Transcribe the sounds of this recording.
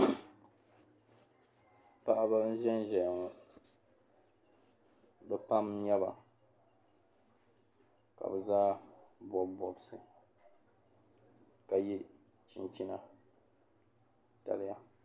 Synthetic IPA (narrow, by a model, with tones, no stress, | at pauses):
pa˦ʔa˦ba˦n̩˦ʒɛ˦n˦ʒɛ˨ja˨ŋɔ˨ | dɨ˦pa˦mɲɛ˦ba˨ | ka̰˨bɛ˨zaː˦bɔ˨bɔ˨bsɨ˨ | ka˨ji˦ | t͡ʃi˨nt͡ʃi˦na˨ | ta̰˨lɪ˦ja˦